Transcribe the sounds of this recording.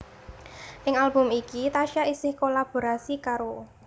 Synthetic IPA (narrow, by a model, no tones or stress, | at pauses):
ʔɪŋalb̥ʊmikit̪aʃaʔisɪhkolab̥o̤ɾasikaɾo